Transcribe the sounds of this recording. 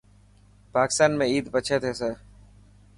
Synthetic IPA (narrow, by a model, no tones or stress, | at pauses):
paːkɪst̪aːnmẽiːd̪bət͡ʃʰet̪ʰesəɾ